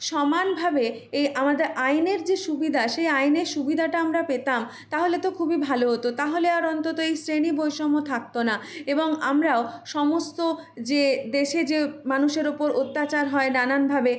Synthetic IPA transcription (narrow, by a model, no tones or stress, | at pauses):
ʃɔmanbʱabeejʔamad̪eɾajneɾd͡ʑeʃubid̪ʱaʃejajneɾʃubid̪ʱaʈaamɾapet̪am | t̪aɦolet̪okʰubibʱaloɦot̪ot̪aɦoleaɾɔnt̪ot̪oejsɾenibojʃɔmot̪ʰak̚t̪onaeboŋamɾaoʃɔmost̪o | d͡ʑed̪eʃed͡ʑemanuʃeɾopoɾot̪ːat͡ɕaɾɦɔenananbʱabe